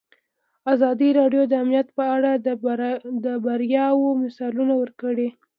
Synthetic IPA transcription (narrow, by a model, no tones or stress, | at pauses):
azɑd̪iɾɑɖjod̪əamnijat̪pəaɽa | d̪əbaɾjɑwomɪsɑlunawəɾkəɽe